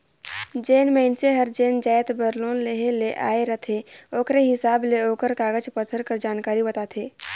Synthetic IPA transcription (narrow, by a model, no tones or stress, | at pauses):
d͡ʒeːnmeːɪnseɦəɾd͡ʒeːnd͡ʒaːjt̪bəɾloːnleɦeleʔa̰ːeɾət̪ʰeoːkɾeɦɪsaːbleoːkəɾkaːɡəd͡ʒpət̪ʰəɾkəɾd͡ʒaːnkaːɾibɐt̪aːt̪ʰeː